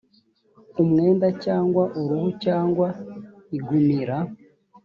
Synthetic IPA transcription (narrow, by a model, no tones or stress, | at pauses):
umŋe̞ːndacaːŋɡwaʔuɾuhucaːŋɡwa | iɡumiɾa